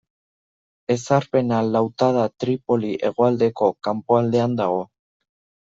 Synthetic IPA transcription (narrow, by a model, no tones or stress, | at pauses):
e̞saɾpe̞nalawt̪að̞at̪ɾipo̞liʔe̞ɣ̞oald̪e̞ko̞kampoald̪e̞and̪aɣ̞o̞